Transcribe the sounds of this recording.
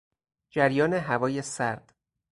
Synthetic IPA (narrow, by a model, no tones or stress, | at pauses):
d͡ʒæɾjɒːneɦævɒːjesæɾd̪̥